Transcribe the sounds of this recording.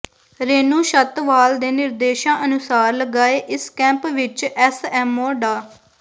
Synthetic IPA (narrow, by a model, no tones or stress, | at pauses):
ɾeːnũːʃət̪ʋaːld̪eːnɪɾd̪eːʃãːʔənʊsaːɾləɡaːeːʔɪskɛ̃ːmpʋɪt͡ʃɛsɛːmoːɖaː